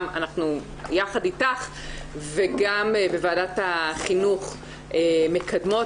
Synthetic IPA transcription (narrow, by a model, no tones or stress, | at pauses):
ma̰naχnu | jaχaditaχ | veɡambevaːdataχinuχ | eme̞kʰadmo